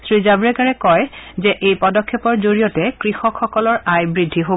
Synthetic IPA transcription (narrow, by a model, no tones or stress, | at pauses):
sɹizabɹɛɡaɹɛkɔjzɛʔejpɔdɔkʰːɛpɔɹzoɹijɔtɛkɹixɔkʰxɔkɔlɔɹajbɹidʱːiɦo